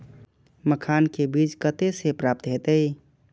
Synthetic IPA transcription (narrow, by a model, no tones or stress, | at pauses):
məkʰankebid͡ʒkət̪esepɾap̚t̪ɦet̪əɪ